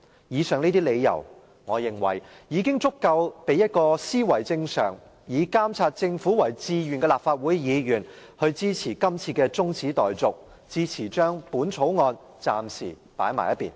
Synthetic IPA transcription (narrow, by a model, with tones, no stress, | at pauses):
jiː˨˧sœː˨ŋniː˥t̪̬iː˥le˨˧jjɐ̰˨˩w | ŋɔː˨˧jɪ˨˩ŋwɐ̰˨˩jjiː˨˧kɪ˥ŋt͡sʊ˥kːɐ˧wpe˨˧jɐ˥t̚kɔː˧siː˥wɐ˨˩jt͡sɪ˧ŋsœ̰ː˨˩ŋ | jiː˨˧kaː˥mt͡sʰaː˧t̚t͡sɪ˧ŋfuː˨˥wɐ˨˩jt͡siː˧ɥyː˨˩nkɛ˧laː˨p̚faː˧t̚wuː˨˥jjiː˨˧jyː˨˩n | hɵ˧ɥt͡siː˥t͡sʰiː˨˩kɐ˥mt͡sʰiː˧kɛː˧t͡sʊ˥ŋt͡sʰiː˨˥t̪ɔː˨jt͡sʊ˨k̚ | t͡siː˥t͡sʰiː˨˩t͡ʃœː˥ŋpuː˨˥nt͡sʰo˨˥wŋɔː˧n | t͡saː˨msḭː˨˩ | paː˨˥jma̰ː˨˩jɐ˥pːḭː˨˩n